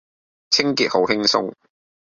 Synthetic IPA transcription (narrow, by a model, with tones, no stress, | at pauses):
t͡sʰɪ˥ŋkiː˨t̚ho˨˥whɪ˥ŋsʊ̰˥ŋ